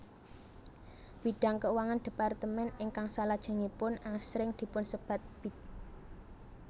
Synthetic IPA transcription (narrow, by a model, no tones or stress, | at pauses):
b̥iɖ̥a̤ŋkəwaŋand̪̥i̤part̪əmɛnɪŋkaŋsalad̥ʒ̥a̤ŋipʊnasɾɪŋd̪̥i̤pʊnsəb̥a̤t̪̚b̥i̤t̪̚